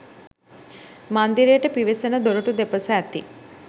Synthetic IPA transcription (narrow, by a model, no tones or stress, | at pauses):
mand̪iɾejəʈəpiʋesənəd̪oɾuʈud̪epəsɐæt̪i